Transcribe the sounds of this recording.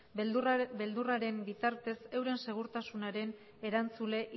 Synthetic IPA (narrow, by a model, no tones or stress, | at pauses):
be̞ld̪uraɾe̞mbit̪aɾt̪e̞se̞wɾe̞nse̞ɣ̞uɾt̪asunaɾe̞n | e̞ɾant͡sule̞ʔ